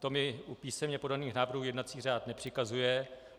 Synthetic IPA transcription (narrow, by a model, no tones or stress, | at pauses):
t̪o̞mɪupiːsɛmɲɛpo̞daniːxnaːvr̩ɦuːjɛdnat̪t͡siːr̝aːt̪nɛpr̥ɪkazujɛ